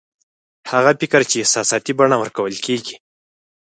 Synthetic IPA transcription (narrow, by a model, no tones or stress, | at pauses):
haɣapɪkɾt͡ʃeːhsɑsɑt̪ibaɳawəɾkawəlkʰeɡi̥